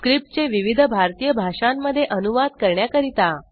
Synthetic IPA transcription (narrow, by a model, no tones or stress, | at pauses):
kɾip̚ʈ̚t͡ɕeʋiʋid̪ʱəbʱaɾt̪ijəbʱaʂamːəd̪ʱːjeʔənuʋad̪kəɾɳjakəɾit̪a